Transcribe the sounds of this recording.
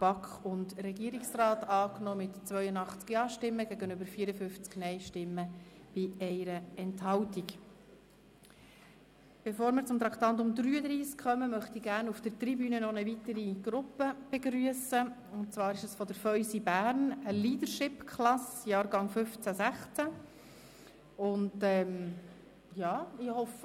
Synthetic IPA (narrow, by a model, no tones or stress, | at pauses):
b̥ɑkχʊndrɛɡiəɾiksrɑːtɑːknɔːmɪtt͡svœʏənɑχt͡skjɑːʃtɪmːəɡæɡənʏbəɾfiːəɾəfʏft͡sknɛɪʃtɪmːəb̥ɪɛɪɾəɛnthɑwtik | b̥ɛfoːɾmɪɾt͡sʊmt̪ɾɑkt̪ɑnt̬ʊmdɾyːəd̪ɾiːskχœməmœχtiɡæːɾnufd̥əɾtribyːnənɔnəvit̪əɾiɡ̥ɾʊpːəb̥eɡɾyəsə | ʊnt͡svɑːɾɪʃəsfɔd̪əɾfœʏsibæːɾnəliːdəɾʃɪpkʰχlɑsjɑːɾɡɑŋfʏft͡sæsæχt͡sæ | ʊndɛm | jɑːɪhɔf